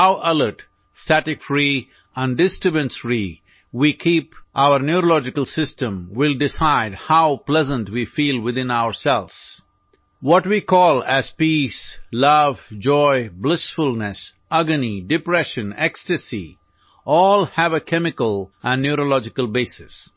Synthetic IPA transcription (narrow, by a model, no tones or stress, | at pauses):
haʊʔʌlə˞ʈ | stæʈɪkfɾi | ə̃nɖɪsʈɾɪbə̃nsɾi | wikʰipʔaʊəɾnjuɾolɔd͡ʒɪkəlˠsɪstə̃mwɪldɪsaɪdhaʊplɛzə̃ntwiːfiːlˠwɪðɪ̃naʊəɾsɛlz̥ | wɔʈwikʰɔːlˠæz̥pislʌvd͡ʒɔɪblɪsfʊlnɨs | ʌɡənidɪpɾɛʃə̃nɛkstɨsḭ | ʔɔːlhævəkʰɛmɪkəlˠʔæ̃nːuɾolɔd͡ʒɪkəlˠbesɪs